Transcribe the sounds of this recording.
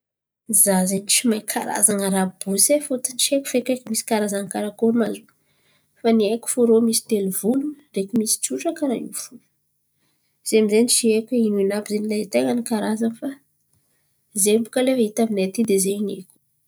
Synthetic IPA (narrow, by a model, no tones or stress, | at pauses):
izazeɲt͡ʃimajkʰa̰ɾa̰zanəɾab̥usefot̪int͡ʃiekʲu̥fekekumisi̥kaɾazankaɾakolmazu | faniakʲu̥fuɾomisi̥t̪elivuluɾekumisi̥t͡suʈ͡ʂakəɾaufu | z̥eamizenit͡ʃiekʲeinuinabizenilat̪eŋənikaɾazanfa | zembu̥kəlefəɦit̪aminat̪id̪ezeɲekʲu̥